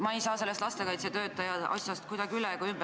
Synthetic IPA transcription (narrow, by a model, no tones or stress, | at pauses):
mɑe̞jsɑːse̞lːest̪lɑst̪e̞kɑjt̪set̪ø̞ːt̪ːˑɑjɑʔɑ̰sjɑst̪̚kujd̪̥ɑɡ̥iylɛkoymb